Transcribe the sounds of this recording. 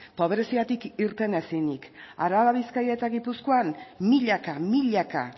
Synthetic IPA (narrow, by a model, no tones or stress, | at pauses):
po̞βɾesiat̪ikiɾt̪e̞ne̞sinika̰ɾaβaβiskajat̪aɣipuskoanmiʎakamiʎaka̰